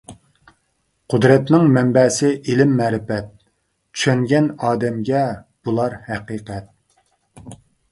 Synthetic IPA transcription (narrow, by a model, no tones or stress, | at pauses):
qʰʊd̪ɾɛt̪nɪŋmɛmbɛːsɪʔilɪmːæːɾɪfɛt̪̚ | t͡ʃʰy̥ʃɛŋɡʲɛnɑːd̪ɛmɡʲɛb̥ulˠɑɾhæqiːqɛt̪̚